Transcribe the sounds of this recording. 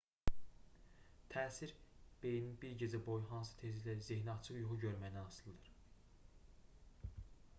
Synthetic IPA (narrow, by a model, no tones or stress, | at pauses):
t̪ʰæːsiɾb̥e̞jninbiɾɟed͡ʒæbo̞jɦɑns̬ɯ̥t̪ʰe̞zilæzeɦnɑt͡ʃʰɯχjuχuɟøɾmæjnænɑsɯlˠɯd̪ɯɾ